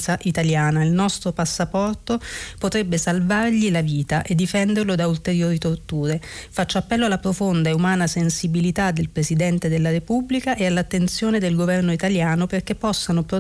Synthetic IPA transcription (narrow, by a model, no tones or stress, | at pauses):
saʔit̪aljaːnailnɔst̪ɾopasːapɔrt̪opot̪ɾebːesalvarʎilaviːt̪aʔed̪ːifɛnd̪erlod̪ault̪eɾjoːɾit̪ort̪uːɾefat͡ʃːaapːɛlːoalːapɾofond̪aeumaːnasensibilit̪ad̪ːelpɾesid̪ɛnt̪ed̪elːaɾepubːlikaʔealːat̪ːent̪sjoːned̪elɡovɛrnoit̪aljaːnoperk̟epːɔsːanopɾo